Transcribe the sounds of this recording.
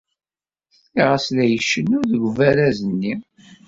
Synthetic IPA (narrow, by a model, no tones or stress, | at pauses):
iʁæslæjəʃːənːʊɾðəɡvæɾæzənːi